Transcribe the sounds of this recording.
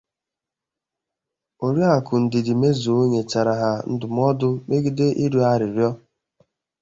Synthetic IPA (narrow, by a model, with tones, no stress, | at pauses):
o˨ɾi˦a˨kʊ˨n̩˨dɪ˨dɪ˨me˦zo˨o˦ɲe˨t͡ʃa˨ɾa˨ɦa˨n̩˦dʊ˨m˦ɔ˦dʊ˦me˦ɡi˦de˦ʔi˦ɾu˦a˦ɾɪ˨ɾjɔ˦